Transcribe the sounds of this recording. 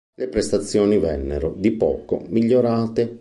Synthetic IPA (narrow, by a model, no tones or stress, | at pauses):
lepɾest̪at̪sːjɔːnivɛ̰nːeɾod̪ipɔ̰ːko̰miʎːoɾaːt̪e